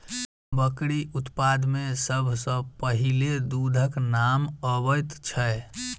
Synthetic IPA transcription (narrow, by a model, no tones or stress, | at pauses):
bəkɽiʔut̪pad̪mesəbʱsə̃pəɦiled̪ud̪ʱəknaməβəjt̪t͡ʃʰəe